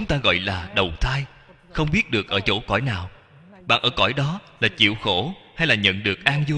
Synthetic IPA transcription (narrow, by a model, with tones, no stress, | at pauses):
t͡ɕʊ˨˦ŋ͡mt̪aː˧ɣɔ̰˧˨jlaː˨˩ɗə˨˩wt̪ʰaː˧j | xə˧wŋ͡mɓi˦˥ət̚ɗɨ˨˩ək̚ʔəː˧˩t͡ɕo̰˧˩kɔ̰˧˩jnaː˨˩w | ɓa̰ː˧˨˩ʔəː˧˩kɔ̰˧˩jɗɔ˨˦laː˨˩t͡ɕḭ˧˨əwxo˧˩ha˧jlaː˨˩ɲə̰˧˨nɗɨ˨˩ək̚ʔaː˧ŋzu˧